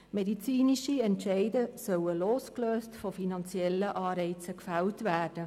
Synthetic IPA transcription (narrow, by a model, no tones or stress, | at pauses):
mɛdit͡siːniʃiɛntʃɛɪdəsœwəloːskløːstfofinɑnt͡sjɛlːəʔɑːɾɛɪt͡səkfæwtvæːrd̥ə